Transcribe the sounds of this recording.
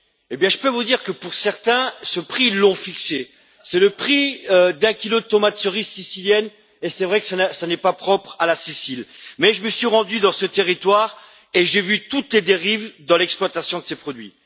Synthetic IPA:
ebjɛ̃ʒəpøvud̪iʁkəpuʁsɛʁt̪ɛ̃səpχilɔ̃fikse | sɛləpχiød̪ɛ̃kʲilod̪ət̪ɔmat̪səʁizsisiljɛn | esɛvʁɛkə̥sanɛsanɛpapχɔpχalasisilmɛʒəməsɥiʁɑ̃d̪yd̪ɑ̃sət̪eʁit̪waːʁ | eʒevyt̪ut̪led̪eʁivd̪ɑ̃lɛksplwat̪asjɔ̃d̪əsepχɔd̪ɥḭ

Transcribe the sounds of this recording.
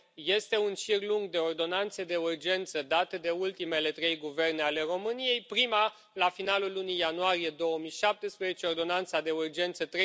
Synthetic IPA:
je̞st̪e̞unʃirluŋɡd̪e̞o̞rd̪o̞nant̪sed̪e̞urd͡ʒe̞nt̪səd̪at̪əd̪e̞ult̪ime̞le̞t̪ɾe̞jɡuve̞rneale̞ro̞mɨnije̞jpɾima | lafinalulːunijanuaɾije̞d̪o̞wəmijʃap̚t̪espɾeze̞t͡ʃe̞ord̪o̞nant̪sad̪e̞urd͡ʒe̞nt̪sət̪ɾe

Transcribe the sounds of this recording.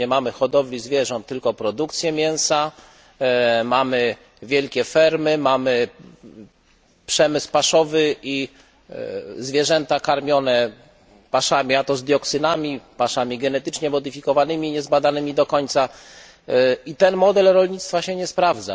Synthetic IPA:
ɛmamɘxɔd̪ɔvlʲizvʲjɛʐɔ̃nt̪ːɘlkɔpɾɔd̪ukt̪sʲjɛmʲjɛw̃sa | mamɘ | vʲjɛlkʲɛfɛɾmɘmamɘ | pʂɛmɘspaʂɔvɘi | zvʲjɛʐɛnt̪akaɾmʲjɔnɛ | paʂamʲiat̪ɔzd̪jɔksɘnamʲipaʂamʲiɡɛnɛt̪ɘt͡ʂɲɛmɔd̪ɘfʲikɔvanɘmʲiɲɛzbad̪anɘmʲid̪ɔkɔɲt̪sa | it̪ɛnmɔd̪ɛlɾɔlɲit̪st̪faɕɛɲɛspɾavd̪za̰

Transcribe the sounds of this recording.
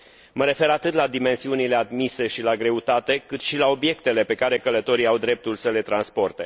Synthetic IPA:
məɾe̞fe̞ɾat̪ɨt̪lad̪ime̞nsiunile̞ad̪mise̞ʃilaɡɾe̞ut̪at̪e̞kɨt̪ʃilao̞bje̞kt̪e̞le̞pe̞kaɾe̞kələt̪o̞ɾiawd̪ɾe̞p̚t̪ulsəle̞t̪ɾanspo̞rt̪e̞

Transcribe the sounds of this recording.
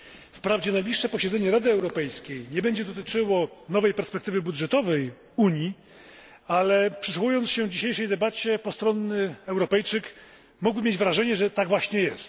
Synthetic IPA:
fpɾavd͡ʑɛnajblʲiʂːɛpɔɕɛd̪zɛɲɛɾad̪ɘɛwɾɔpɛjskʲejɲɛbɛɲd͡ʑɛd̪ɔt̪ɘt͡ʂɘwɔnɔvɛjpɛɾspɛk̚t̪ɘvɘbud̪ʐɛt̪ɔvɛj | uɲji | alɛpʂɨsuwujɔnt̪sɕɛvd͡ʑiɕejʂɛjd̪ɛbat͡ɕɛpɔst̪ɾɔnːɘɛwɾɔpɛjt͡ʂɘk | muɡbɘmʲjed͡ʑvɾaʐɛɲɛʐɛt̪aɡvwaɕɲɛjɛst̪

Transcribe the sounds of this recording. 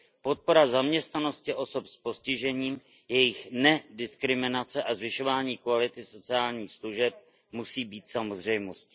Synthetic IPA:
po̞t̪̚po̞ɾazamɲɛst̪nano̞scɪʔo̞so̞pspo̞scɪʒɛɲiːm | jɛjɪxnɛdɪskɾɪmɪnat͡sɛʔazvɪʃo̞vaːɲiːkvalɪt̪ɪso̞t͡sɪaːlɲiːxsluʒɛp̚ | musiːbiːt̪samozr̝ɛjmo̞scɪ̥

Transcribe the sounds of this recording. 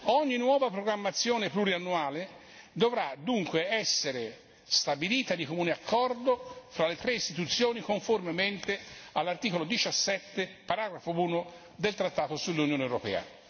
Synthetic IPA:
ɔɲːinːwɔːvapɾoɡɾamːat̪sːjoːnepluɾianːuaːle | d̪ovɾad̪uŋkweɛsːeɾe | st̪abiliːt̪ad̪ikomuːneakʰːɔrd̪ofɾalːet̪ɾeist̪it̪ut̪sːjoːnikoɱformement̪ealːart̪iːkolod̪it͡ʃasːɛt̪ːepaɾaːɡɾafouːno | d̪elt̪ɾat̪ːaːt̪osulːunjoːnewɾo̰pɛ̰ːa̰

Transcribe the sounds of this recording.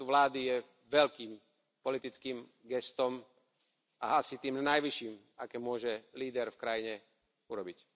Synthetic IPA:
uʋlaːd̪ijɛ | ʋɛʎkiːm | pɔlit̪it͡skiːm | ɡɛst̪ɔm | a̰ʔasit̪iːmnajʋiʃiːm | akɛːmʊɔʒɛliːd̪ɛɾfkɾajiɲɛ | uɾɔbic

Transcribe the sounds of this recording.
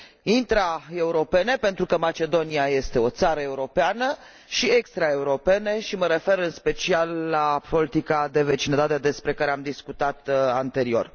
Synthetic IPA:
int̪ɾae̞uɾo̞pe̞ne̞pent̪ɾukəmat͡ʃe̞d̪o̞niaje̞st̪e̞o̞t̪saɾəe̞uɾo̞peanə | ʃiekst̪ɾae̞uɾo̞pe̞ne̞ʃiməɾe̞fe̞ɾɨnspe̞t͡ʃialːapo̞lit̪ikad̪e̞ve̞t͡ʃinəd̪at̪ead̪e̞spɾe̞kaɾeamd̪iskut̪at̪ant̪e̞ɾio̞̰r

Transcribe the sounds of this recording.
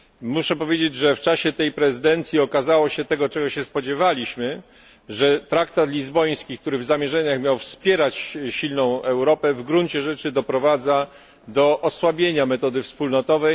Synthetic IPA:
muʂɛpɔvʲjed͡ʑed͡ʑʐɛft͡ʂaɕɛt̪ɛjpɾɛzɘd̪ɛnt̪sʲjiɔkazawɔɕɛt̪ɛɡɔt͡ʂɛɡɔɕɛspɔd͡ʑevalʲiɕmɘ | ʐɛt̪ɾakt̪at̪lʲizbɔj̃skʲik̚t̪uɾɘvzamʲjɛʐɛɲaxmʲjawfspʲjɛɾat͡ɕɕilnɔ̃w̃ɛwɾɔpɛvɡɾunt͡ɕɛʐɛt͡ʂɘd̪ɔpɾɔvad̪za | d̪ɔʔɔswabʲjeɲamɛt̪ɔd̪ɘfspulnɔt̪ɔvɛj

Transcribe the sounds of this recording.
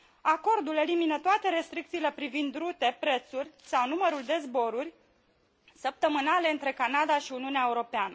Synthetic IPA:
ako̞rd̪ule̞liminət̪oat̪eɾe̞st̪ɾik̚t̪siːle̞pɾivind̪ɾut̪e̞pɾe̞t̪surʲsawnuməɾuld̪e̞zbo̞ɾurʲ | səp̚t̪əmɨnale̞ɨnt̪ɾe̞kanad̪aʃiuniuneaeuɾo̞peanə

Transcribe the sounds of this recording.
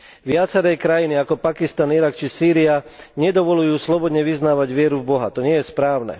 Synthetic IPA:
ʋɪat͡sɛɾɛkɾajiniakɔpakist̪aniɾakt͡ʃisiːɾiaɲɛd̪ɔʋɔlujuːslɔbɔd̪ɲɛʋiznaːʋaɟʋɪɛɾuvbɔɦa̰t̪ɔɲɪɛjɛspɾaːʊnɛ̰

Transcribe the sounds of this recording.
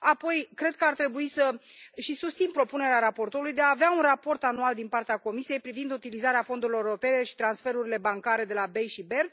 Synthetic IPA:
apo̞jkɾe̞d̪̚kəart̪ɾe̞buisəʃisust̪sinpɾo̞pune̞ɾeaɾapo̞rt̪oɾulujd̪eaːveaunrapo̞rt̪anuald̪inpart̪eako̞misije̞jpɾivind̪ut̪ilizaɾeafo̞nd̪uɾilo̞ɾeɾo̞pe̞ne̞ʃi̥t̪ɾansfe̞ɾuɾile̞baŋkaɾe̞d̪e̞labe̞jʃibe̞rd̪

